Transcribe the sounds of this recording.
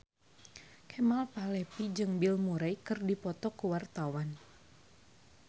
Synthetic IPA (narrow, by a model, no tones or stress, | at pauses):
kʰɛmalpalɛpid͡ʒɨŋbilmuɾajkɨrdipɔt̪ɔkuwart̪awan